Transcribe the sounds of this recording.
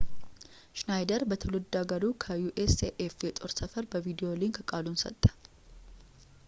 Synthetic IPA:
ʃnajd̪əɾbət̪ʰəlɔd̪ːaɡɐɾukʰəjuʔeseʔefet̪ʼoɾsəfəɾbəvid̪ijo̞limkʰəkʼaːlunsə̰t̪ʼːə̥

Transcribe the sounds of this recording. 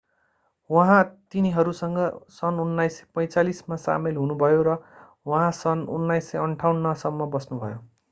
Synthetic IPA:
wʌɦãt̪iniɦʌɾusʌŋɡʌsʌnunːajse̥pʌ̃j̃t͡salismasa̰melɦunubʱʌjoɾʌ | wʌɦãsʌnunːajsʌʌɳʈʰawnːʌsʌmːʌbʌsnubʱʌjo

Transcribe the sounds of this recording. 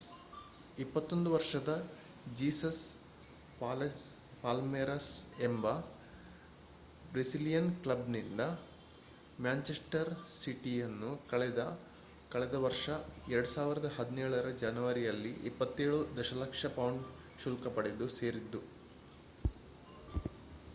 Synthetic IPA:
ipːɐt̪ːo̞nd̪uʋɐɾʂɐd̪ɐ | d͡ʒiːsɐs | pː | paːlmeɾɐsembɐ | bɾesilijɐnklɐbnind̪ɐ | mjaːɲt͡ʃesʈɐɾsiʈijɐnːukɐɭɛd̪ɐ | kɐɭɛd̪ɐʋɐɾʂɐɛɾɐɽusaːʋiɾɐd̪ɐɦɐd̪inɛːɭɐɾɐd͡ʒɐnɐʋɐɾijɐlːiʔipːɐt̪ːeːɭud̪ɐʃɐlɐkʂɐpɐwɳɖ | ʃulkɐpɐɽed̪use̞ːɾid̪ːu

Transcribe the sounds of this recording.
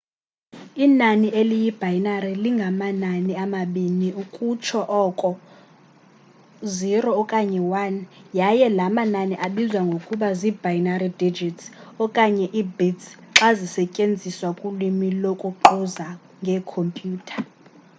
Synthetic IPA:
inaniʔelijib̥ʱajnariliŋɡʱamananiamaɓiniukʼut͡ʃʰɔʔɔkʼɔ | zirɔːkʼaɲɛwanjajɛlamananiʔaɓizwaŋɡʱokʼuɓazibʱajnaridid͡ʒʱitsɔkʼaɲɛʔibidsǁazisɛcʼend͡zʱiswakʼulimilokʼuǃuza | ŋɡʱɛkʰompʼjuːtʰḁ

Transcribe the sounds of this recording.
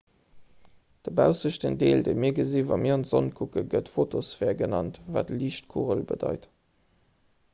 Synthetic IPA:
d̥əbæʊsəʃtəndeːldeɪmiːɐɡəziːvɑmiːɐɑntz̥onkʰukəɡətfotosfɛːɐɡənɑntva̰ːtliːʃt̚kʰuʁəlbə̰dɑɪt

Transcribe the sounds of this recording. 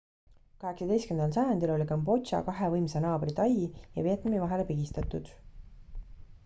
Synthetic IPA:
kɑɦe̞ksɑd̪e̞jstkend̪ɑls̬ɑjɑnd̪̥ilo̞lʲikɑmbo̞t͡ʃɑ̰kɑɦevɤjmsenɑːbrit̪ɑjijɑpeːt̪nemivɑɦe̞lepiɡ̥ist̪ɑt̪ˑud̪̥

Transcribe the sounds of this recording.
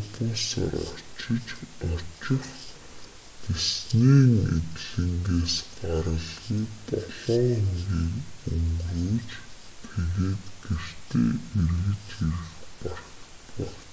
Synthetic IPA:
t̪insæ̰ɾɔ̰t͡ɕɪ̆t͡ɕɔt͡ɕɪ̆χ | t̪esniːnḛt̪ɮɘ̆ŋɡeːsɢaɾə̆ɮɣiːkɔɮɞŋiŋɡiːʊŋɡuːt͡ɕ | t̪ʰeɣeːt̪ɡ̥er̥t̪ʰḛːerɣɘ̆t͡ɕiɾɘ̆xpɔrə̆xt̪æ

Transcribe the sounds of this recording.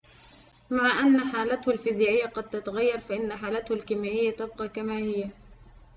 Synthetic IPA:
maʕaʔanːaħaːlat̪hʊlfizjaːʔɪjːaqɑd̪̚t̪at̪aɣajːɑɾˤfaʔɪnːaħaːlat̪hʊlkɪmaʔɪjːat̪ab̚qɑːkamaːhɪjːa

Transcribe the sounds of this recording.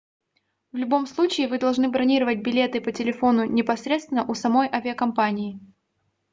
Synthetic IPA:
vlʲʊbo̞mslˠut͡ɕɪːvɨd̪ɐlˠʐnɨbɾɐnʲiɾəvət̚ʲbʲɪlʲe̞t̪ɨpətʲɪlʲɪfo̞nʊnʲɪpɐsɾʲet̪st̪vʲɪnəʔʊsɐmo̞jʔavʲɪəkɐmpanʲɪː

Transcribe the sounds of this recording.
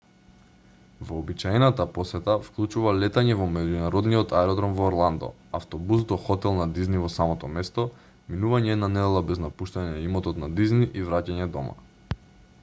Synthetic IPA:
vɔːbit͡ʃaɛnat̪apɔsɛt̪afklˠut͡ʃuvalɛt̪aɲɛvɔmɛɟunaɾɔd̪nijɔt̪ʰaɛɾɔd̪ɾɔmvɔːɾlˠand̪ɔ̰ | aft̪ɔbusd̪ɔxɔt̪ɛlˠnad̪iznivɔsamɔt̪ɔmɛst̪ɔ | minuvaɲɛd̪nanɛd̪ɛlˠabɛznapuʃt̪aɲɛimɔt̪ɔt̪nad̪izniʔivɾacaɲɛd̪ɔma̰

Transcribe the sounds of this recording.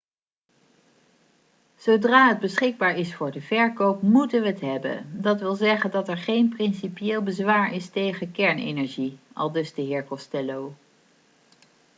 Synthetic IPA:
z̥owdraːɦəd̚bəsχɪɡ̚baːɹɪsfʊːɹdəvɛɹkowpmutənʋəətɦɛbə̰ndɑtʋɪlˠzɛχəndɑtɛɹχejnprɪnsipijeːlˠbəzʋaːɹɪstejχənkɛɹnḛnɛɹʒiʔɑ̰lˠdɵzdəɦɪːɹkɔstɛlow

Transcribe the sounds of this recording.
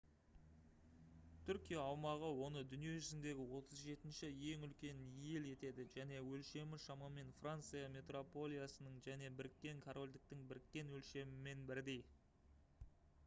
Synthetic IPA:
t̪ʰʏɾkʲijaːwmɑʁəwo̞nəd̪ʏnije̞ʒʏzɪnd̪e̞ɡʲɪwo̞t̪ʰəzʒe̞t̪ɪnʃɪje̞ŋʏlkʲe̞nije̞le̞t̪e̞d̪ɪʒæne̞wɵlʃe̞mɪʃɑmɑme̞nfrant̪sɨjame̞t̪ro̞po̞lʲˠijasənəɴʒæne̞bɪɾɪk̚t̪ʲːe̞ŋkʰoɾo̞lʲd̪ɪk̚t̪ɪŋbɪɾɪk̚t̪ʲe̞nwɵlʃe̞mɪme̞nbɪɾd̪e̞j

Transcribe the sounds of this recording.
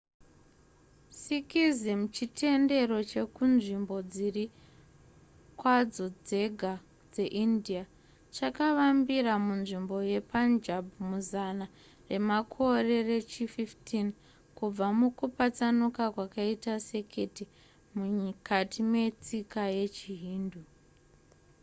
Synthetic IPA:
sikizimut͡ʃitʰe̞nde̞ro̞t͡ʃe̞kunʐimbo̞d͡ziri | kwad͡zo̞d͡ze̞ɡʱa | d͡ze̞ʔindia | t͡ʃakaʋambiramunʐimbo̞je̞pand͡ʒabʱumuzana | re̞makʰo̞re̞re̞t͡ʃififtin | kub͡vamukupat͡sanukakwakaitase̞kʰe̞ti | mukʰatime̞t͡sikaje̞t͡ʃiɦiːndu

